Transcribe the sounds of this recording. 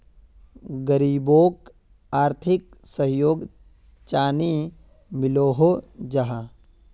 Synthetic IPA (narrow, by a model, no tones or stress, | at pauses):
ɡəɾiːboːk̚ | aːɾt̪ʰɪk̚səɦɪjoːɡ | t͡ʃaːni | mɪloɦod͡ʒɐɦa